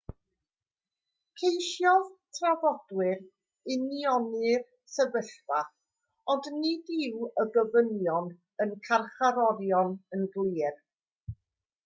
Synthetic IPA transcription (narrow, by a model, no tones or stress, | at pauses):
kʰejʃjɔðtʰravɔd̥wɪr | ɪniɔnɨr | səvəɬv̥aθ | ɔndnɨdɪwəɡəvənjɔn | ənkʰarχaɾɔɾjɔnənɡlˠiːr